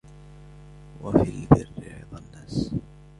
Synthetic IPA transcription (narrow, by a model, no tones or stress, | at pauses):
wafiːbɪrːɪ̰d̪ˤɑnːaːs